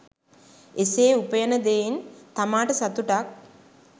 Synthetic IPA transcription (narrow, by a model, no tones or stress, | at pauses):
eseːupəjənəd̪ejint̪amaːʈəsat̪uʈak̚